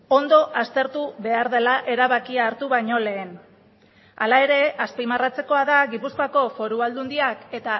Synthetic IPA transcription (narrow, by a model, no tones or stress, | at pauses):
o̞nd̪o̞ʔast̪e̞ɾt̪uβe̞aɾðe̞laʔe̞ɾaβakiaːɾt̪uβajɲo̞le̞ːn | alae̞ɾe̞aspimarat͡se̞koaðaɣipuskoako̞fo̞ɾuald̪und̪iake̞t̪a